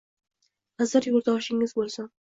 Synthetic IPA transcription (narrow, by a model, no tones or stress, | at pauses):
hazɨɾjoɾd̪ɒʃɪŋɪzbolˠsan